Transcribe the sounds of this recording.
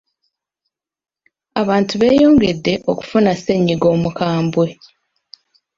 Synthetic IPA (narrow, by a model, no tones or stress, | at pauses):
aβaːntuβe̞ːjo̞ːŋɡe̞dːe̞ʔo̞ku̥funase̞ɲːiɡo̞ːmukaːmbwe̞